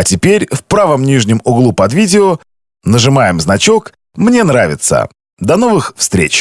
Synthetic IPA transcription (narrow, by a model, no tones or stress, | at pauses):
ɐtʲɪpʲeɾʲfpɾavəmnʲiʐnʲɪmʊɡlˠupɐd̪vʲidʲɪɔ | nəʐɨmajɪmznɐt͡ɕo̞k | mnʲe̞nɾavʲɪt̪sə̰ | d̪ɐn̪o̞vɨxfst̪ɾʲḛt͡ɕ